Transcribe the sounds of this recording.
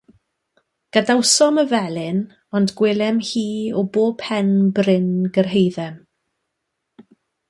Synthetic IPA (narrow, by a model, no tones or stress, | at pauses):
ɡ̥adawsɔməvɛlɪn | ɔndɡwɪlˠɛmhiːɔboːb̥hɛnbrɪnɡərɦejðɛm